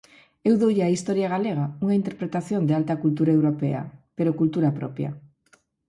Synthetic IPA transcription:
ewðowʎeaist̪oɾjaɣ̞aleɣ̞auŋaint̪eɾpɾet̪aθjond̪ealt̪akult̪uɾaewɾopea̰peɾokult̪uɾapɾopja̰

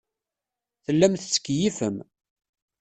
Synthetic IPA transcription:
θəlːæmθət͡sːə̥kːjifəm

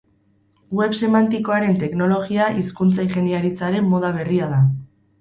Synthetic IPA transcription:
we̞βse̞mant̪iko̞aɾe̞nt̪e̞kno̞lo̞ɣiaʔiskunt͡sajʝe̞niaɾit͡saɾe̞mːo̞ð̞aβ̞e̞riaða

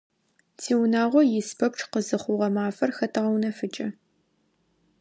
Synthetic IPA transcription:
tʰiːwnaːʁʷɔjɪspʰɐpʈ͡ʂʰqəzɨχʷʊʁɐmaːfɐrxɐtʰɨʁɐwnɐfɨt͡ʃʼɐ

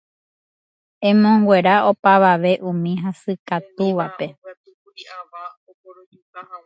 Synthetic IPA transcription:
ẽ̞mõ̞ŋɡwe̞ɾao̞paʋaʋe̞ʔũmĩɦasɨkat̪uʋape̞

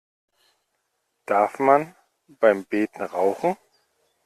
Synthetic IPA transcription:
d̥aɐfman | b̥aɪmbeːtn̩ʁaʊxn̩ŋ̩

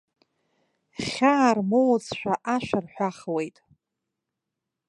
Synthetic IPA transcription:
χʲaːrmowt͡sʰʃʷᶣaʔaʃʷᶣarħʷᶣaχwe̞jtʼ

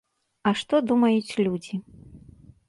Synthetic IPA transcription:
ɐʂt̪ɔd̪umɐjut͡sʲlʲud͡zʲi

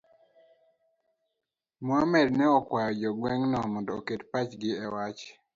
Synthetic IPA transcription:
mwamɛd̚nɛɔkwajɔd͡ʒɔɡwɛŋnɔmɔndɔoketpat͡ʃɡɪɛwat͡ʃ

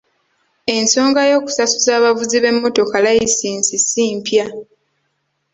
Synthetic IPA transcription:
e̞nso̞ːŋɡajo̞ːku̥sasuzaːβavuziβe̞mːo̞to̞kalajisiːnsisiːmpja

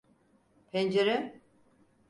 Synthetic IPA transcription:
pʰend͡ʒeɾe

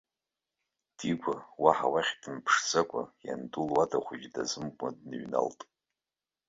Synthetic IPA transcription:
d̥iɡʷawaħawaχʲdɨnpʰʂt͡sʰʼakʷʼa̰ja̰ndulwadʰʼaχʷʊd͡ʒdazɨmkʷʼmadnɨɥna̰ltʼ

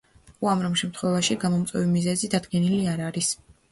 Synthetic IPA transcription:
uamɾɔmʃɛmt̪ʰχwɛvaʃiɡamɔmt̪sʼwɛvimizɛzid̪ad̪ɡɛniliaɾaɾis

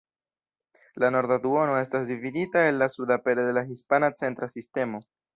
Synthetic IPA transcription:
lano̞ɾd̪ad̪uo̞no̞e̞stasdividitae̞nlasudape̞ɾode̞lahispanat͡se̞ntɾasiste̞mo̞

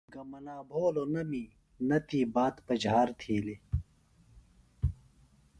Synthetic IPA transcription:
ɡɐmɐnaːbʱoːlonɐmiː | nɐt̪iːbaːt̪pɐd͡ʑʱaːɾt̪ʰiːli

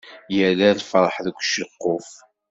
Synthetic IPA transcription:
jəlæðfəɾˤħðəɡʷːʃəqːof

